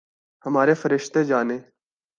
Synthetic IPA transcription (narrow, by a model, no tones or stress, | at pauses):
həmaːɾeːfəɾɪʃt̪eːd͡ʒaːneː